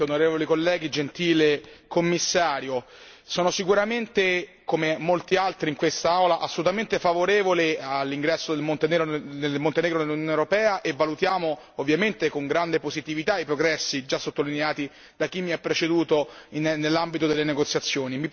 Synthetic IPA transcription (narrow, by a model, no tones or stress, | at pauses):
onoɾeːvolikolːɛːɡid͡ʒent̪iːlekomːisːaːɾjo | sɔːnosikuɾament̪e | komemolt̪ialt̪ɾiːŋkwest̪aawlaʔasːolut̪ament̪efavoɾeːvolealːiŋɡɾɛsːod̪elmont̪enɛɡɾoelmont̪enɛːɡɾonelunjonewɾopɛːaʔevːalut̪jaːmo | ovːjament̪ekoŋɡɾand̪epozit̪ivit̪aipɾoɡɾɛsːid͡ʒasːot̪ːolineaːt̪i | d̪ak̟ːimːiapːɾet͡ʃed̪uːt̪oinnːelːambit̪od̪elːeneɡot̪sːjat̪sːjoːnimi